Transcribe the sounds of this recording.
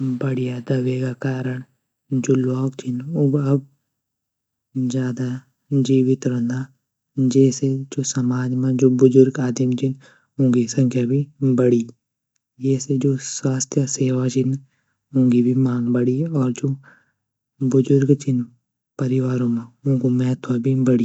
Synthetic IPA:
bəɽijad̪ɐʋeːɡakaːɾəɳ̃ | d͡ʒoːloːkt͡ʃʰɪnʊbɐb | d͡ʒjaːd̪a | d͡ʒiːʋɪt̪ɾə̃nd̪a | d͡ʒɛːsed͡ʒoːsɐmaːd͡ʒmãd͡ʒoːbʊzʊɾɡaːd̪imt͡ʃʰin | ɦʊ̃ːŋɡisə̃ŋkʰjabʱibəɽi | jɛːsed͡ʒoːswaːst̪ʰjəseːʋad͡ʒɪn | ɦʊ̃ŋɡibʱimaːŋbəɽiɔːɾd͡ʒoː | bʊzʊɾɡt͡ʃʰɪn | pəɾɪʋaːɾõmãʊ̃ŋɡomɛːt̪ʰʋabʱibəɽi

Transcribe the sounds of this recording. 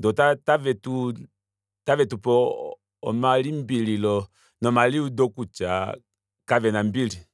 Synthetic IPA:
ndɔtatavɛtu | tavɛtupɔ | ɔmalimbililɔ | nɔmaliudɔkut͡ʃa | kavɛnambili

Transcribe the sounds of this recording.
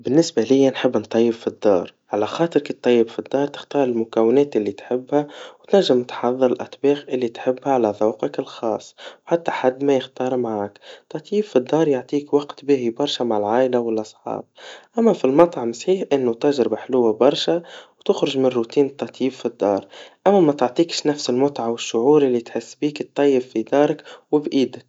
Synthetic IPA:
bɪnːɪsbalɪjːænħɪbːnt̪ˤːɑjːɪbfid̪ːɑ̰ːɾˤʕalæxɑːt̪ˤɨɾkit̪ˤːɑjːɪbfid̪ːɑːɾˤt̪ɪ̥xt̪ɑːɾˤɪlmʊkæwːɪnɛːt̪ʔɪlːit̪ħɪbːhæwt̪næʒːɪmt̪ħɑðˤːɨɾɪlʔæt̪ˤbiːxʔɪlːit̪ħɪbːhæʕalæðˤɑwqɪkɪlxɑːsˤːwħat̪ːaħad̪ːmæjɪxt̪ɑːɾˤmaʕaːkt̪ˤːɑt̪ˤjiːbfid̪ːɑːɾˤjʊʕt̪ˤiːkwɑqt̪bihibɑɾˤʃamaʕɪlʕaːʔɪlawɪlʔɑsˤħɑ̰ːb̚ʔamːæfilmɑt̪ˤɑʕmɪsħiːħʔɪnːʊt̪aʒɾɪbħlʊwːabɑɾˤʃawt̪ʊxɾʊʒmɪnrːut̪iːnt̪ˤːɑt̪ˤjiːbfid̪ːɑ̰ːɾˤʔamːæmæt̪ʊʕt̪ˤiːkʃnæfsɪlmʊt̪ʕawɪʃːʊʕuːɾʔɪlːit̪ħɪsːbiːkt̪ˤːɑjːɪbfid̪ɑːɾˤɪkwɪbʔiːd̪ɪk̚

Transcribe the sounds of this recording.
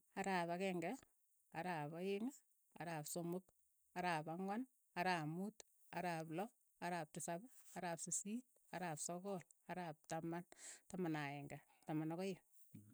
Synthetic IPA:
aɾaːpakɛŋɡɛ | aɾaːpajɪŋ | a̰ɾaːpsomʊk | aɾaːpaŋwan | aɾaːmut | aɾaːplɔ | aɾaːp̚tɪsabaɾaːpsisit̚ | aɾaːpsɔkɔlaɾap̚tamantamanaɛŋɡatamanɔkɔje

